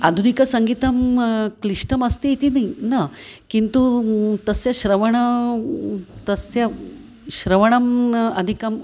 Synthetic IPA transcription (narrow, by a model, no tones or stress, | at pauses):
ɐd̪ʱunikɐsɐŋɡit̪ɐmkliʂʈɐmɐst̪eit̪inɐinɐkint̪ut̪ɐsjɐʃɾɐʋɐɳɐ | t̪ɐsjɐ | ʃɾɐʋɐɳɐmɐd̪ʱikɐm